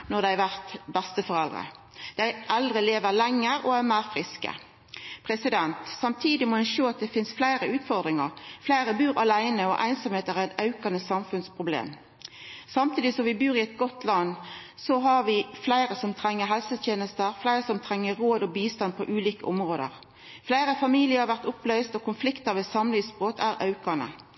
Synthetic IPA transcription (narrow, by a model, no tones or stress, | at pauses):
nɔʁd̪æɪʋæʁt̪bɛst̪əfɔʁɛld̪ʁə̰ | d̪̥æɪʔɛld̪ʁəleːʋəʁlɛŋːəɾɔæʁmæːʁfʁɪskə̰ | pʰʁɛsɪd̪ɛnt̪sɑmt̪ʰiːd̪ɪmɔɛnʃoːɑt̪̚d̪ɛfɪnsflæɪɾəʉːt̪fɔʁd̪ʁɪŋɑʁflæɪɾəbʉːʁɑlæɪnəɔʔæ̰ɪnsɔmheːt̪əʁæʁɛt̪ɑʉkɑnəsɑmfʉnspʰʁʊblḛːm | sɑmt̪ʰiːd̪ɪsɔmʋɪbʉːɾɪɛt̪̚ɡɔt̪lɑnː | sɔɦɑʁʋɪflæɪɾəsɔmt̪ʰʁɛŋːəɦɛlsət̪ʰjeːnəst̪əʁflæɪʁəsɔmt̪ʰɾɛŋːəʁoːd̪ɔbiːst̪ɑnpʰɔʔʉːliːkəʔʊmʁoːd̪ə̰ʁ | flæɪɾəfɑmiːlɪəhɑʋæʁt̪ʊplœʏst̪ɔkʰʊnflɪkt̪əʁʋesɑmlɪːsbʁoːt̪ʰæːɾɑ̰ʉkɑnə̰